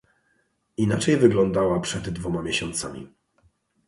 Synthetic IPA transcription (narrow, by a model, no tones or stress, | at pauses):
inat͡ʂɛjvɘɡlɔnd̪awapʂɛd̪ːvɔmamʲjeɕɔnt̪sa̰mʲḭ